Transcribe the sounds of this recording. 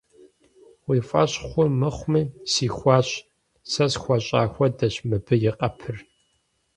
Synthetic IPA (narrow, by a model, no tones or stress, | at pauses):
wiːfʼɐɕʼχʷʊmɨχʷmiːsiːxʷɑːɕ | sɐsxʷɐɕʼa̰ːxʷɐdɐɕmɨbɨjɪqʼɐpʰɨr